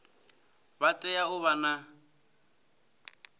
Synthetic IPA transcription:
βatʼɛjaʊβana

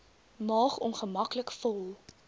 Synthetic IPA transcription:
mɑːχɔnχəmɐkləkfɔlˠ

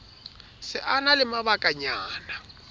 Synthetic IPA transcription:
sɪʔanalɪmaβakʼaɲaːna

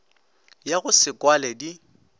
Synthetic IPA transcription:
jaɣʊsɪkʼwalɛdi

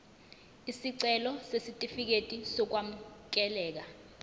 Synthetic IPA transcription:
isiǀɛlɔsesitʼifik̬etʼisɔk̬wam̩k̬ʼɛlɛːk̬a

